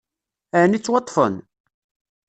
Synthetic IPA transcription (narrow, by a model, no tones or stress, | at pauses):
ænit͡sːwɑt̪ˤːfə̰n